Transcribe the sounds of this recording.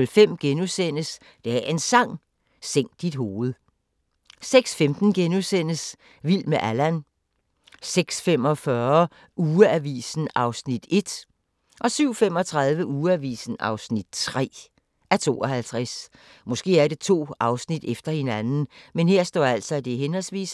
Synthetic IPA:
lfem̰ɡ̥enusen̰əs | d̥eæe̝nsɑ̈ŋ̰ | seŋ̰d̥ːid̥ɦo̝ːð̞̩ˠ | seɡ̥sfemd̥n̩ɡ̥enusen̰əs | ʋil̰meʔælæn | seɡ̥sfemɒ̽fɶɐ | uːəæʋḭːsn̩ɑ̈ʊsnid̥e̝d̥ | ʔɒ̽syʊ̰fem̰ɒ̽t͡sʰʁɑðˠʋəʔuːæʋḭːsn̩ɑ̈ʊsnid̥̚t͡sʰʁɛ̰ː | ʔæɐt͡sʰo̝̰ːɒ̽hælt͡sʰʁɛs | mɔ̽sɡ̥e̝̰ːæɐɾe̝t͡sʰo̝̰ːɑ̈ʊsnid̥efd̥ɐhe̝nænn̩menhe̝ɐsd̥ɒ̰ːæl̰sɒ̽id̥e̝ɦenhɒ̽lsʋḭːs

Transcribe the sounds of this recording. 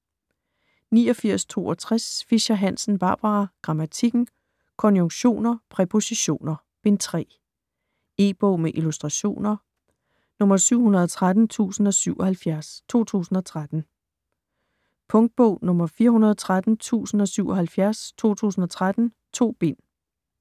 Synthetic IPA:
niːɒ̽fiɐ̰st͡sʰo̝̰ːɒ̽t͡sʰʁasfiɕæɦæn̰sn̩b̥ɑ̈ːb̥ɑʁɑɡ̥ʁɑ̈mæt͡sʰiɡ̥n̩ | kʰɒ̽njoŋɕo̝̰ːnɐpʰʁɛpʰo̝siɕo̝̰ːnɐ | b̥e̝nt͡sʰʁɛ̰ː | e̝̰ːb̥ɔʊ̰meʔilusd̥ʁɑ̈ɕo̝̰ːnɐ | nɔ̽mɐsyʊ̰ɦunɐð̞ˠɒt͡sʰʁad̥n̩t͡sʰṵːsn̩ɒ̽syʊ̰ɒ̽hælfjæɐst͡sʰo̝̰ːt͡sʰṵːsn̩ɒ̽t͡sʰʁad̥n̩ | pʰɔ̽ŋd̥̚b̥ɔʊ̰nɔ̽mɐfiːɐɦunɐðˠt͡sʰʁad̥n̩t͡sʰṵːsn̩ɒ̽syʊɒ̽ɦælfjæɐst͡sʰo̝̰ːt͡sʰṵːsn̩ɒ̽t͡sʰʁad̥n̩ | t͡sʰo̝̰ːb̥e̝n̰

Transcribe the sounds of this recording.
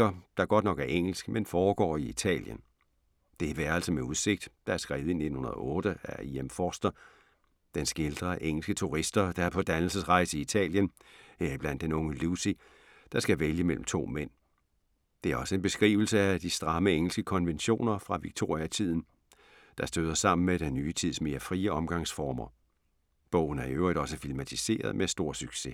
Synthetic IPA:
ɐd̥ɑ̈ɡ̥ɒ̽d̥nɒ̽ɡ̥æɐʔeŋ̰l̩sɡ̥menfɒːɡ̥ɒ̰ːiit͡sʰɛ̰ːljə̰n | d̥e̝ʋæɐæl̰sɒmeuð̞ˠse̝ɡ̥̚d̥ːɑ̈æɐsɡ̥ʁɛːð̞̩ˠine̝̥n̩hunɐðˠɔ̽ːɾ̥əæiemfɒsd̥ɐ | d̥ensɡ̥e̝ld̥ʁɐʔeŋ̰l̩sɡ̥ət͡sʰuʁisd̥ɐd̥ɑ̈æɐpʰɒ̽d̥ænl̩səsʁɑ̈ɪ̰səiit͡sʰɛ̰ːljəneɐib̥læn̰d̥enɔ̽ŋəlusi | d̥ɑ̈sɡ̥æʋeljəmel̰m̩t͡sʰo̝̰ːmen̰ | d̥e̝æɐɒ̽səe̝nb̥e̝sɡ̥ʁḭːʊl̩səæd̥isd̥ʁɑ̈məeŋ̰l̩sɡ̥əkʰɒ̽nʋenɕo̝̰ːnɐfʁɑ̈ʋiɡ̥̚t͡sʰo̝̰ːʁiæt͡sʰið̞̰ˠn̩ | d̥ɑ̈sd̥øðˠɐsɑ̈m̰n̩meɾ̥enːyːət͡sʰið̞̰ˠsme̝ːɐfʁiːəɒ̽mɡ̥ɑ̈ŋsfɒːmɐ | b̥ɔ̰̽ʊ̰n̩æɐiøʊ̰ʁid̥ɾɒ̽səfilmæt͡sʰise̝̰ːɐðˠmesd̥o̝ɐ̰syɡ̥se̝

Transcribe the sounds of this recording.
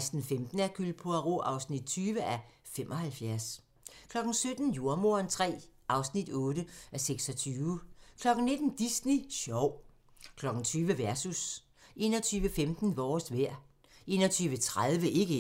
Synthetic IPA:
sd̥n̩femd̥n̩æɐkʰyld̥̚pʰoæʁoʔɑ̈ʊsnid̥̚t͡sʰyːʋəʔæfem̰ʔɒ̽hælfjæɐs | kʰlɒ̽ɡ̥n̩sød̥n̩juɐmoɐnt͡sʰʁɛ̰ːʔɑ̈ʊsnid̥ɔ̽ːd̥əæseɡ̥sɒ̽t͡sʰyːʊkʰlɒ̽ɡ̥n̩ne̝d̥n̩d̥isniɕɒʊ̰ | kʰlɒ̽ɡ̥n̩t͡sʰyːʋəʋæɐsus | ʔe̝̰ːnɒ̽t͡sʰyːʋəfemd̥n̩ʋɒ̰ːsʋæɐ̰ | ʔe̝̰ːnɒt͡sʰyːʋət͡sʰʁaðˠʋəʔe̝ɡ̥ə

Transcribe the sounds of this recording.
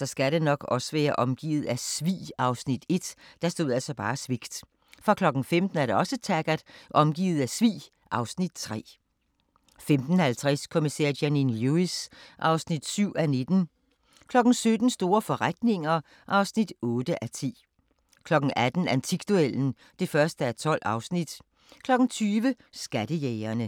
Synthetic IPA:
sɒ̽sɡ̥æɾenɒ̽ɡ̥ɒ̽səʋæːɐʔɒ̽mɡ̥ḭːð̩ˠæsʋḭːɑ̈ʊsnid̥e̝d̥d̥ɑ̈sd̥o̝ð̰ˠælsɒb̥ɑ̰̈ːsʋiɡ̥d̥ | fʁɑ̈kʰlɒ̽ɡ̥n̩femd̥n̩æɐɾe̝ɒ̽sət͡sʰæɡ̥ɐd̥ʔɒ̽mɡ̥ḭːð̞̩ˠæsʋḭː | ʔɑ̈ʊsnid̥̚t͡sʰʁɛ̰ː | femd̥n̩hælt͡sʰʁɛskʰo̝misɛ̰ɐ̰jæninluisʔɑ̈ʊsnid̥syʊ̰æne̝d̥n̩ | kʰlɒ̽ɡ̥n̩sød̥n̩sd̥o̝ːɐfɒ̽ʁad̥ne̝ŋɐ | ʔɑ̈ʊsnid̥ɔ̽ːd̥əʔæt͡sʰḭː | kʰlɒ̽ɡ̥n̩æd̥n̩ænt͡sʰiɡ̥̚d̥uel̰n̩ | d̥e̝fɶɐsd̥əæɐt͡sʰɒ̽l̰ɑ̈ʊsnid̥ | kʰlɒ̽ɡ̥n̩t͡sʰyːʋə | sɡ̥æd̥əjɛɪɐnə

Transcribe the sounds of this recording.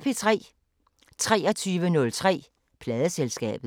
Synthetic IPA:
pʰet͡sʰʁɛ̰ː | t͡sʰʁɛːɒt͡sʰyːʋənɔ̽lt͡sʰʁɛ̰ː | pʰlɛːðˠəselsɡ̥ɛ̰ːb̥ð

